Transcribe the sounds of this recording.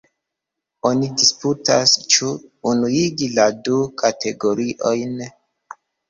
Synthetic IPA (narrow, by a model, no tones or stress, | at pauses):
o̞nidisputast͡ʃuːnuiɡiladukʰatʰe̞ɡo̞ɾiʔo̞jn